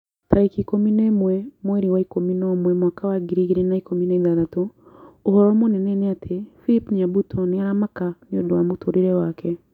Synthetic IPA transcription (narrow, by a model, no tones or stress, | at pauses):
taɾekikominemwɛmwɛɾiwaikominɔmwɛmwakawaɡiɾiɣiɾenaikominɛiðaðatuːɦɔɾɔmonɛnɛnɛatʰefiɾipɲabutʰɔniaɾamakaniodɔwamotʰoɾiɾɛwakʰɛ